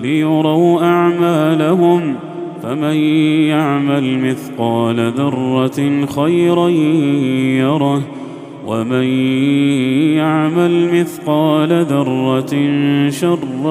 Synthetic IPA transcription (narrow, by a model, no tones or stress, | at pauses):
lɪjʊɾˤɑwʔaʕmaːlaɦʊm | famanjaʕmalmɪθqɑːlaðɑrˤːɑxajɾa | jɑɾˤɑh | waman | jaʕmalmɪθqɑːlaðɑrˤːɑnʃɑrˤː